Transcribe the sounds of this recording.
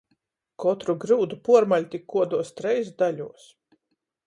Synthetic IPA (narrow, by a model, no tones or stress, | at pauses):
kɔt̪ɾuɡɾuːd̪upuɔɾmalʲt̪ikʰːuɔd̪uɔst̪ɾɛjzd̪aʎʲuɔs